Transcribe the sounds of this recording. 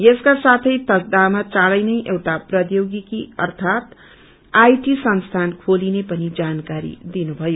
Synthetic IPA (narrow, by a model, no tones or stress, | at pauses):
jeskasat̪ʰʌjt̪ʌk̚d̪amat͡saɽʌjnʌjʔewʈaprʌd̪joɡikiʌ̰rt̪ʰat̪ | ajʈisʌnst̪ʰankʰolinepʌnid͡zankaɾḭd̪inubʱʌjo